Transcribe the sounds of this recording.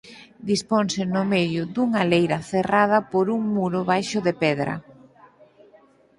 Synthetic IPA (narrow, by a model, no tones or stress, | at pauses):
d̪isponsɪnʊmeðjʊd̪uŋalejɾɐθerað̞ɐpoɾuŋmuɾʊβajʃʊðepɛðɾɐ̰